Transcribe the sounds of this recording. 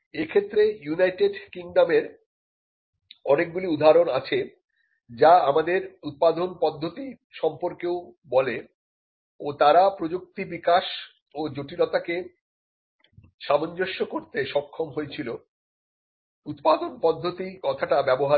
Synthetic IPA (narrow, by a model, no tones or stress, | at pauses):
ekʰet̪ːɾejunajʈeɖkiŋɖameɾ | ɔnek̚ɡuliud̪ʱaɾonat͡ɕʰe | d͡ʑaamad̪eɾut̪̚pad̪ʱonpɔd̪ʱːot̪i | ʃɔmpoɾkeobɔle | ot̪aɾapɾod͡ʑok̚t̪ibikaʃ | od͡ʑoʈilot̪ake | ʃamond͡ʑoʃːokoɾt̪eʃɔkʰːomɦojet͡ɕʰilo | ut̪pad̪onpɔd̪ʱːot̪ikɔt̪ʰaʈabɛboɦa